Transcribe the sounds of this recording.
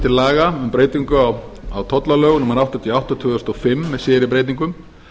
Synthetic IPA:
t̪ʰɪlaːɣaʏmpɾeːjt̪iŋkʏawawt̪ʰɔt̪lalœːɣnuːmaɾawht̪at̪ʰiawht̪ɔt̪ʰʏːɣʏst̪ɔfɪmːɛðsjɛːɾɪp̬ɾeːjt̪iŋkʏm

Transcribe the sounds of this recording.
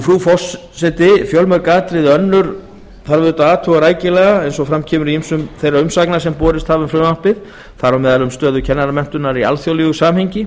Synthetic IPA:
fɾufɔs | sɛt̪ɪfjɔlmœɾkaːt̪ɾɪðœnːʏɾ | θaɾvʏðʏːt̪aaːt̪ʰɔɣaɾaːjcɪlɛːɣaɛjnsɔfɾamcʰɛːmʏɾiimsʏmθejraʏmsaknasɛmpɔːɾɪst̪haːvɪmfɾʏmahpɪð | θaɾɔmɛːðalʏmst̪œːðʏcʰɛnːaɾamɛn̥t̪ʏnaɾia̰lθjowlɪɣʏsaːmhejɲcɪ

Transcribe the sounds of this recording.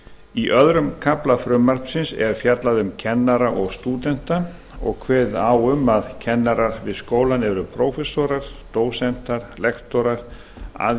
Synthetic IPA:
iʔœðɾʏmkʰaplafɾʏmːar̥psɪnsɛ̰ɾ̥fjat̪laðʏmcʰɛnːaɾaʔɔɣst̪uːt̪ɛn̥t̪a | ɔ̰ɣkʰvɛːðaːwʏmːaðcʰɛnːaɾaɾvɪðskoːwlanɛɾʏpʰɾowfɛsɔɾaɾ̥t̪oːwsɛn̥t̪aɾ̥lɛxt̪ɔɾaɾ̥ | a̰ð

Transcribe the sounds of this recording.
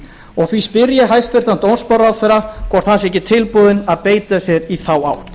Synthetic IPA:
ɔɣθvispɪɾjɪɦajst̪ʏɾ̥θant̪ownspawɾawðθɛɾakʰvɔɾ̥t̪θansɛhcːɪt̪ʰɪlpʊðɪnaðpeːjt̪asjɛɾiθaːwaːwt̪

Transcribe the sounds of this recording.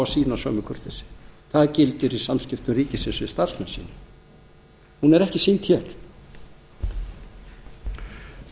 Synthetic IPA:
asiːnasœːmʏkʰʏɾ̥t̪ɪsɪ̥θaðcɪlt̪ɪɾisamscɪft̪ʏriːcɪsɪsʏst̪ar̥smɛnsḭːnʏ | hunɛɾɛhcɪsint̪çɛːɾ̥

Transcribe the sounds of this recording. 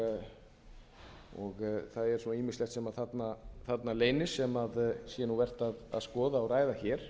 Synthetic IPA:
ɔɣθaðɛɾ̥suniːmɪslɛxt̪sɛmaðθat̪naθat̪naleːjnɪsɛmaðsjɛnuvɛr̥t̪aða̰ðskɔːðaɔɾaːjðaçɛːɾ̥

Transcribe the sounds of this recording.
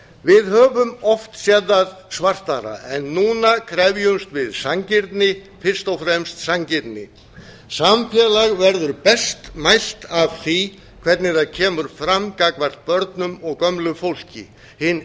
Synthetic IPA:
vɪðhœːvʏmɔft̪sjɛðaðsvar̥t̪aɾa̰ɛnːuːnakʰɾɛvjʏmst̪vɪðsaŋcɪɾt̪nɪ | fɪr̥st̪ɔwfɾɛmst̪saŋcɪɾt̪nɪ̰ | samfjɛlaɣvɛɾðʏɾpɛst̪majl̥t̪av̥θi | kʰv̥ɛɾt̪nɪθaðcʰɛːmʏɾ̥fɾamkakvar̥t̪̚pœɾt̪nʏmɔɣkœmlʏfowl̥cɪ̰ | hɪn

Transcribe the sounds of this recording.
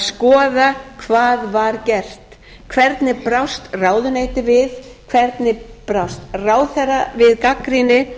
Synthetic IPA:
skɔːðakʰvaːðvaɾcɛr̥t̪ | kʰvɛɾt̪nɪpɾawst̪raːwðʏneːjt̪ɪvɪð | kʰvɛɾt̪nɪpɾawst̪raːwθɛravɪðkakɾinɪ

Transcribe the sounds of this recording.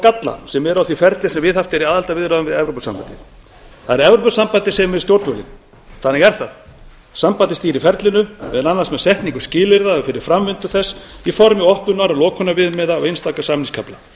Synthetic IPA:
kat̪la̰sɛmɛɾawθifɛɾt̪lɪsɛmvɪðaft̪ɛɾiaːðalt̪avɪðɾaðʏmvɪðɛvɾowpʏsa̰mpa̰nt̪ɪ | θaðɛɾɛvɾowpʏsampant̪ɪsɛmvɪst̪jowɾt̪mœlɪ̰n | θanːɛɣɛɾ̥θað | sampat̪ɪst̪iːɾifɛɾt̪lɪnʏmɛðɛnanːḁsmɛðsɛht̪niŋkʏ̥scɪːlɪɾðafɪɾɪɾ̥fɾamvɪnt̪ʏθɛsːifɔɾmɪɔhpnʏnaɾalɔːkʰɔnaɾvɪðmɛðaːwejnst̪aːkasaːmniŋskʰapla

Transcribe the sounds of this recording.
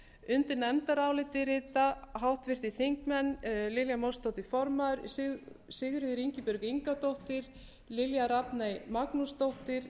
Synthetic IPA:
ʏnt̪ʏnɛmt̪aɾaːwlɪt̪ɪɾɪːt̪aɦawht̪vɪr̥t̪ɪθeŋkmɛnːlɪljamowst̪owht̪ɪfɔɾmaʏɾssɪɣʏɾvɪðɾiɲcɪpʏɾkiŋkat̪owht̪ɪɾ | lɪljaɾapnajmaknust̪owht̪ɪɾ̥

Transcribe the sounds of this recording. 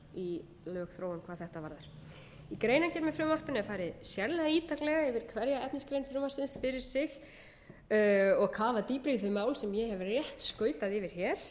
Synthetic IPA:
i | lœːxθɾoːwʏmkʰvaːðθɛht̪avaɾðaɾ̥ | ikɾeːjnacɛɾmɪfɾʏmar̥pɪnɛfaːjɾɪðsjɛɾlɛɣaiːt̪aklɛɣaɛvɪɾ̥kʰvɛɾjaɛpniskɾejnfɾʏmvarsɪnsfɪɾɪɾ̥sɪx | ɔɣkʰaːvat̪iːpɾiðvɪmaːwlsɛmjɛhɛvrjɛht̪skœːɥt̪aðɪvɪɾ̥çɛɾ̥

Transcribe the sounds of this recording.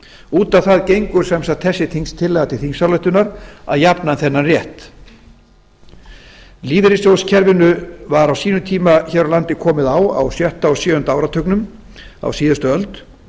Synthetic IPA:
uːt̪amθaðcejŋkʏɾ̥sɛmsat̪θɛsːɪt̪ʰiŋst̪ʰɪlːɛɣat̪ʰɪlθiŋsaɾlœht̪ʏnaɾa̰ðjapnanθɛnːanrjɛht̪ | liːvɪɾɪsjowscʰɛɾvɪnʏvaɾawsiːnʏt̪ʰiːmaçɛɾawlant̪ɪkʰɔːmɪðawa̰wsjœht̪aɔsjʏːʏnt̪awɾat̪ʰœknʏm | a̰wsiːðʏst̪ʏœlt̪

